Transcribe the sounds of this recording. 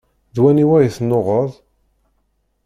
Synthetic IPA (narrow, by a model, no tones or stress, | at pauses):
ðwæniwæjiθnoʁəðˤ